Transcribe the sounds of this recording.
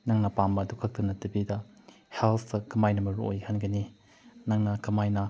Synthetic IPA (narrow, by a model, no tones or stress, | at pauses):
naŋnɐpambɐːdukʰɐk̚tɐnɐtɐbidɐ | helpʰɐkɐmajnɐmɐɾuʔo̰jkʰanɡɐni | naŋnɐkɐmajnɐ